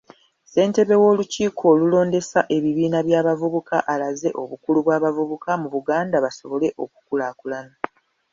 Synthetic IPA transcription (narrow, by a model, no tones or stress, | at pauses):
se̞ːnte̞βe̞wo̞ːluciːkʰo̞ːlulo̞ːnde̞saʔe̞βiβiːnaβjaːβavuβukaʔalaze̞ʔo̞̰βukuluβwaːβavuβukamuβuɡaːndaβaso̞βo̞le̞ʔo̞ku̥kulakulana